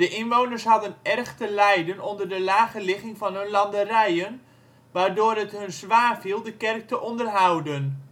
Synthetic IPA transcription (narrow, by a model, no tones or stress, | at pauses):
dəʔɪnʋownərsɦɑdənʔɛrχtəlɛjdənɔndərdəlaːχəlɪχɪŋfɑnɦɵnlɑndərɛjən | ʋaːɹdoːrɦətɦɵnzʋaːfilˠdəkɛrk̚təʔɔndərɦawdən